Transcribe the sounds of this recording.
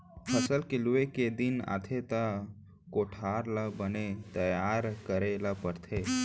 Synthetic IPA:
pʰəsəlkɪlueked̪ina̰t̪ʰet̪a | koʈʰaːɾlabənet̪əjaːɾkəɾelapəɾt̪ʰe

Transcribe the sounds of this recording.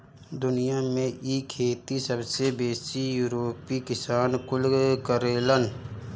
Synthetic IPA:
d̪ʊnijamẽʔikʰeːt̪isəbsebeːsijuːɾoːpikɪsaːnkʊlkəɾeːlən

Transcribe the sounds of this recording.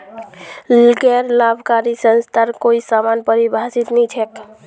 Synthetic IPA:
lɡɛɾlabʱkaɾisənst̪ʰaɾkoisamanpəɾibʱasit̪nĩt͡ʃʰɛk

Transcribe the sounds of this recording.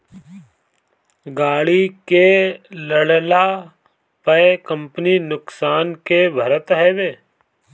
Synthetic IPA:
ɡaːɽikeləɽla | pəkə̃mpninʊksaːnkebʱəɾət̪ɦɛʋeː

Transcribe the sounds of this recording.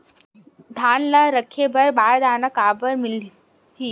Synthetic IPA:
d̪ʱaːnlaɾəkʰebʱəɾbaːɾd̪ʱaːnəkaːbəɾmil | ɦiː

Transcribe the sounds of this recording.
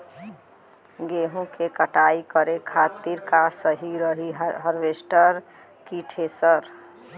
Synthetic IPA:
ɡeɦũkekəʈaikəɾekʰat̪iɾkasəɦiɾəɦiɦɦəɾʋesʈəɾ | kiʈʰesəɾ

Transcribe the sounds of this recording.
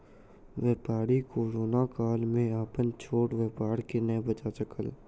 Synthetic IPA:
ʋeːpaːɽikoːɾoːnakaːlmẽaːpənt͡ʃʰoːʈʋeːpaːɽkenəbɐt͡ʃat͡ʃəkəl

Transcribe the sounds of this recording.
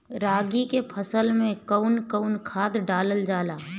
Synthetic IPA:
ɾaːɡikepʰəsəlmẽkəʊnkəʊnkʰaːd̪ɖaːləld͡ʒaːlaː

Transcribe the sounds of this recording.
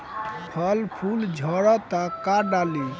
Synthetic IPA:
pʰəlpʰuld͡ʒʱɔɾɔt̪akaɖali

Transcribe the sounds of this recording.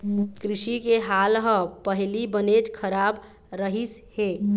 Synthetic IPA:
kɾɪʃikeɦalɦəpəɦilibənet͡ʃkʰəɾab | ɾəɦishe

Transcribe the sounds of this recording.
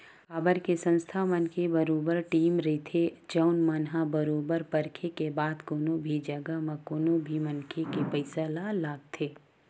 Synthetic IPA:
xaːbəɾkesə̃nst̪ʰamɐnkʰebɐɾoːbəɾʈiːmɾɐit̪ʰed͡ʒəʊnmɐnɦabəɾoːbəɾpɐɾkʰekebaːd̪koːnobʱid͡ʒɐɡamɐkoːnobʱimɐnkʰekepəɪsalalaːɡt̪ʰeː

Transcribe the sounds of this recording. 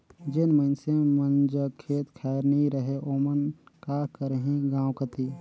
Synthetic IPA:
d͡ʒɪnməɪnsemənd͡ʒəkʰeːt̪kʰɛːəɾnɐɦĩɾəɦeʔoːmənkaːɾkəɾeɦẽɡãːwkət̪iː

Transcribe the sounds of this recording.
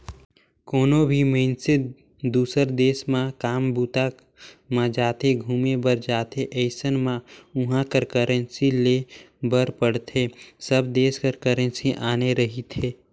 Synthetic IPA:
koːnobʱiməɪnsɪ | d̪uːsəɾd̪eːsmãkaːmbuːt̪a | mãd͡ʒaːt̪eɡʱuːmebəɾd͡ʒaːt̪eʔəɪsənmãʊɦãkəɾkəɾə̃nsile | bəɾpəɽt̪ʰesəbd̪eːskəɾkəɾə̃nsiʔaːneɾəɦit̪ʰeː

